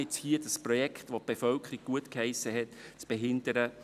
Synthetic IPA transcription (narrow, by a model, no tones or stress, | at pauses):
ɪt͡shiːədəspɾɔjɛkʰχt̪ʋot̚b̥efœlkʰəɾiɡ̥̚ɡ̥uətkhɛɪsːəɦɛtt͡sb̥eɦɪnd̪əɾə